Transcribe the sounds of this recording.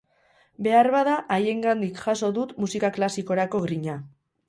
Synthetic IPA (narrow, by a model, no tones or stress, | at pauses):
be̞aɾβaðaʔaje̞ŋɡand̪ikʝaso̞ðut̪musikaklasiko̞ɾako̞ɣɾiɲa